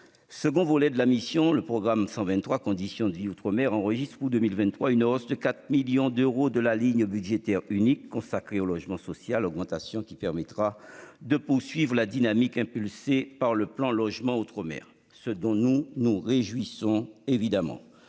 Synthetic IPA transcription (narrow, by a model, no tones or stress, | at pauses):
səɡɔ̃volɛd̪əlamisjɔ̃ləpχɔɡʁamsɑ̃vɛ̃nt̪χwakɔ̃d̪isjɔ̃d̪əviut̪χəmɛʁɑ̃ʁəʒist̪χud̪ømilvɛ̃nt̪ːχwaynɔsd̪əkat̪χmiljɔ̃d̪øʁod̪əlaliɲbyd̪ʒet̪ɛʁynikːɔ̃sakχeolɔʒmɑ̃sɔsjalɔɡmɑ̃t̪asjɔ̃kʲi̥pɛʁmɛt̪χad̪əpuʁsɥivʁəlad̪inamikɛ̃pylsepaʁləplɑ̃lɔʒmɑ̃ut̪χəmɛ̰ʁ | səd̪ɔ̃nunuʁeʒwisɔ̃evid̪amɑ̰̃